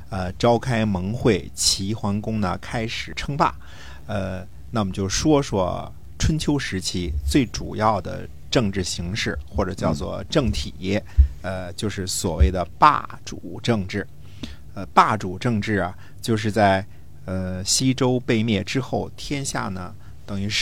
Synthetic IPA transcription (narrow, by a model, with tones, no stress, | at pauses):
ə˧ʈ͡ʂɑ˥ʊkʰa˥ɪmɤ˧˥ŋxwe˥˩ɪt͡ɕʰi˧˥xwa˧˥ŋkʊ˥ŋnə̰˨kʰa˥ɪʂɻ̩˨˩ʈ͡ʂʰɤ˥ŋpa̰˥˩ | ə˧ | na˥˩˨mə˨nt͡ɕjo˥˩ʊʂwɔ˥ʂwɔ̰˥ | ʈ͡ʂʰwə˥nt͡ɕʰjo˥ʊʂɻ̩˧˥t͡ɕʰi˥t͡swe˥˩ɪʈ͡ʂṵ˨˩jɑ˥˩ʊd̪ə̰˩ | ʈ͡ʂɤ˥˧ŋʈ͡ʂɻ̩˥˩ɕi˧˥ŋʂɻ̩˥˩xwɔ˥˩ʈ͡ʂɤ˨˩t͡ɕjɑ˥˧ʊt͡swɔ̰˥˧ʈ͡ʂɤ˥˩ŋt̪ʰi˨˩jɛ˥˩ə˧t͡ɕjo˥˧ʊʂɻ̩˥˩swɔ˨˩we˥˩ɪd̪ə˩pa̰˥˩ | ʈ͡ʂu˨˩ʈ͡ʂɤ˥˧ŋʈ͡ʂɻ̩˥˩ | ə˧pa˥˩ʈ͡ʂu˨˩ʈ͡ʂɤ˥˧ŋʈ͡ʂɻ̩˥˩ɐ˩ | t͡ɕjo˥˧ʊʂ̬ɻ̩˥˧t͡sa˥˩ɪ | ə˧˩ɕi˥ʈ͡ʂo˥ʊpe˥˧ɪmjɛ˥˩ʈ͡ʂɻ̩˥xo˥˩ʊt̪ʰjɛ˥nɕja̰˥˩nə̰˩ | t̪ɤ˨˩ŋy˧˥